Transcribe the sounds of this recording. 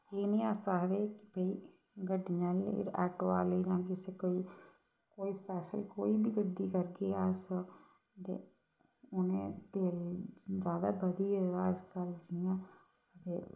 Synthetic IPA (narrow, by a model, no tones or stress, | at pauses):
eːnĩːaːsaːɦʋeːkɪbəiː | ɡəɖɪɲãːl̰ɛ̰ːʈoːaːleiːd͡ʒãːkɪseːkoːiː | koːiːspɛːʃəlkoːiːbiːɡəɖːiːkəɾɡeːaːsoː | d̪ḛː | ʊnḛ̃ːt̪eːld͡ʒjaːd̪a̰ːbəd̪iːed̪aːɪspɛːld͡ʒiãː | ət̪eː